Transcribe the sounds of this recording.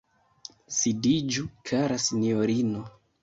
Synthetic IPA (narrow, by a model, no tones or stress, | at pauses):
sidid͡ʒukʰaɾasinjoɾino